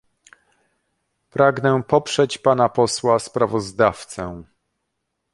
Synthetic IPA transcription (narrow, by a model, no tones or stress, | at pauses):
pɾaɡnɛpɔpʂɛt͡ɕpanapɔswaspɾavɔzd̪aft̪sɛ̃